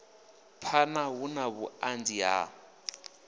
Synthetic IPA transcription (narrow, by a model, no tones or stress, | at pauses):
pʰanaɦunaβuand͡ziɦa̰